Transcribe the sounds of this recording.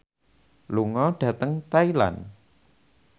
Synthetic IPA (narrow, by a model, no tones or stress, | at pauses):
luŋɔɖ̥ä̤t̪əŋt̪aila̰n